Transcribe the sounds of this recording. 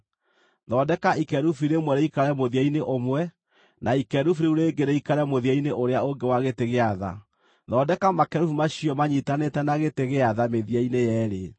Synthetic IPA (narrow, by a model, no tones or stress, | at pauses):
ðɔːdɛkaikɛɾufiɾemwɛɾeikaɾɛmoðiaineʔomwɛ | naikɛɾufiɾeuɾeːŋɡeɾeikaɾɛmoðiaineʔoɾeaoŋɡewaɣeteɣeaða̰ | ðɔːdɛkamakɛɾufumaɕiɔmaɲitanetɛnaɣeteɣeaðameðiainejɛɾe